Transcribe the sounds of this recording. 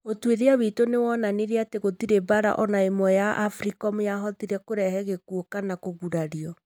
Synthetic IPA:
otweɾeaβitonewɔnaneɾeateɣotiɾebaɾa̰ʔɔnaemwɔjaʔafɾikɔmojaɦɔtiɾɛkoɾɛhɛɣekuokanakoɣuɾaɾiɔ

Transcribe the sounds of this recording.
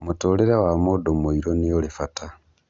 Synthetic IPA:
mutoleɾawamodomoiɾonijolifata

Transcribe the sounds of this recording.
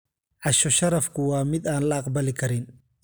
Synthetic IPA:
ʕɑʃɔʃɐɾɐfkʊwɑːmɪd̪aːnlɐɑqbɐlɪkʰɐɾɪn

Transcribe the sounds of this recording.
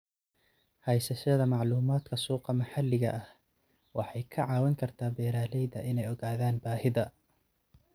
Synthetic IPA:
hɛjsɐʃɐðɐmɑʕluːmaːd̪kʰɐsuːqɑmɐħɑlːɪɣɐ̰ʔɐh | wɑħɑjkʰɐʕɑːwɐŋkʰɐrt̪ʰaːbɛːɾaːlɛjðɐʔɪnɛjɔɣaːðaːnbaːhɪðɐ

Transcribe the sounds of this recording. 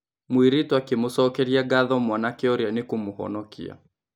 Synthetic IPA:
mwiɾitwakimusɔkɛɾiaɡaðɔmwanakɛɔɾjanikumuhɔ̰nɔkḭa̰

